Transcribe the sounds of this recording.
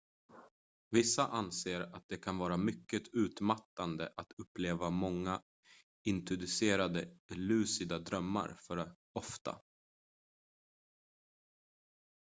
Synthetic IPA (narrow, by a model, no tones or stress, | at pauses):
vɪsːaʔanseːɾat̪̚d̪ɛkʰanvɑːɾamʏkːət̪ʰʉ̟ːt̪mat̪ːand̪əʔat̪ɵpːleːvamɔŋːa | ɪnt̪ɾʊd̪ɵseːɾad̪əlʉ̟ːsɪd̪ad̪ɾœmːa̰ɾfœɾ | ɔft̪a̰